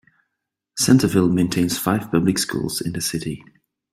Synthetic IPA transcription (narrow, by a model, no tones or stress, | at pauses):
sɛ̃ntʰəvɪlˠmẽɪ̃ntʰẽɪ̃nz̥faɪv̥pʰʌblɪkskṵːlˠz̥ɪ̰̃nðəsɪti